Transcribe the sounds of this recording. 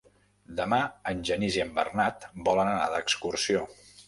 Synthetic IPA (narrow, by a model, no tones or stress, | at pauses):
d̪əmaənʲʒəniziəmbə̰rnat̪bɔlənəna̰ðəkskursio